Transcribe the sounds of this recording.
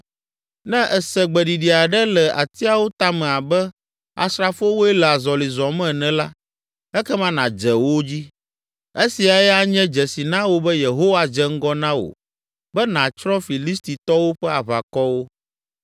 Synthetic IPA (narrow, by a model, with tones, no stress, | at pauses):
nɛ̃˦ʔɛ˨sɛ˨ɡ͡bɛ˨ɖi˨ɖi˨a˨ɖɛ˦lɛ˨ʔa˨t̪i˦a˨wo˦t̪a˦mɛ̃˨a˨bɛ˦ | a̰˨sɾa˦fo˦wo˦ɛ˦lɛ˨a˨zɔ˨li˨zɔ˨mɛ̃˦˨nɛ̃˨la˦ | ɛ˦kɛ˦mã˦nã˨d͡ʒɛ˨wo˦d͡ʑi˦ | e˦si˨a˨jɛ˦a˦˨ɲɛ̃˦d͡ʒɛ˨si˨nã˦wo˦bɛ˦je˨ɦo˦wa˨d͡ʒɛ˦ŋ̩˦ɡɔ˦nã˦wo̰˨ | bɛ˦nã˨t͡ʃɾɔ̃˦fi˨li˦st̪i˨t̪ɔ˦wo˦ɸɛ˦a˨βa̰˨kɔ˦wo˦